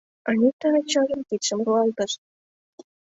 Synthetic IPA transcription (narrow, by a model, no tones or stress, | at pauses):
ɑnʲit̪ɑɑt͡ɕɑʒə̆mkit̪ʃə̆mruɑlt̪ɤ̆ʃ